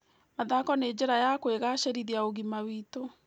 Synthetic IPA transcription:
maðakɔneːd͡ʑeɾajakweɣaɕeɾiðiaoɣimawito

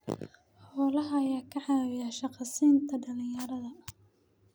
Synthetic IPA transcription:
ħɔːlɐɦɐːjaːkʰɐʕɑːwɪjaːʃɑqɑsiːnt̪ʰɐɖɐlɪ̃jɐɾɐðɐ

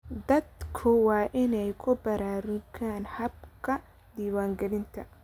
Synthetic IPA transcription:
d̪ɐd̪kʰʊwɑːʔɪnɛjkʰʊbɐɾaːɾʊɡaːnhɐb̚kʰɐ | d̪iːwaːŋɡɐlɪnt̪ʰɐ̰

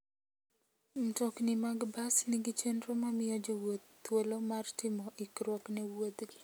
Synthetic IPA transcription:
m̩tɔknɪmaɡbasniɡit͡ʃenɾomamɪjɔd͡ʒɔwot̪ː | wolomartɪmɔʔɪkɾwɔknɛwot̪ɡi

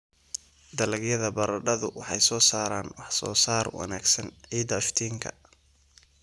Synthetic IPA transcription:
d̪ɐlɐɡjɐðɐbɐɾɐɖɐðʊwɑħɑjsɔːsaːɾaːnwɑħsɔ̰ːsaːrwɑ̰naːɡsɐnʕiːd̪ɐft̪ʰiːŋkʰɐ̰

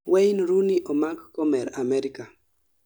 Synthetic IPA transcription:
wejnɾuniʔomakkomeɾameɾika

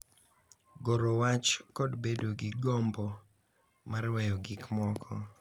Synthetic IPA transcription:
ɡoɾowat͡ʃkɔdbedoɡɪɡɔmbɔ | marwɛjɔɡɪkmɔkʰɔ

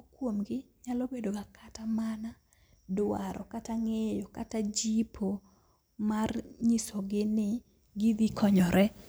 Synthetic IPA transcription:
kwomɡɪɲalobedokakʰatamana | daɾɔkataŋejɔkatad͡ʒipʰo | marɲisɔɡɪnɪ | ɡɪd̪ikʰɔɲɔɾʔɛ

